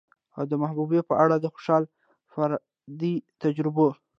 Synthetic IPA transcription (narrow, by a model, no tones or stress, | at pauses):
a̰wd̪əmahbubepəʔaɽad̪əxo̥ʃɑl | faɾ | d̪it̪ad͡ʒɾɪbo